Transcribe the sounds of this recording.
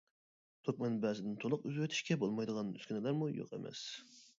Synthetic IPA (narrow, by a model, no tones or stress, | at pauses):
t̪ʰokʲmɛnbɛːzɪd̪ɪnt̪ʰolˠʊqyzwøt̪ʰi̥ʃkʲɛbolˠmɑjd̪əʁɑny̰skʲynɪlæɾmujo̰qḛmɛ̰s